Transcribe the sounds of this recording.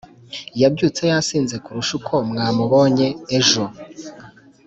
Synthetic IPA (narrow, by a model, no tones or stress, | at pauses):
jabɟuːt͡se̞jasiːnze̞kuɾuʃukʰo̞mŋaːmuβo̞ːɲe̞ːʒo̞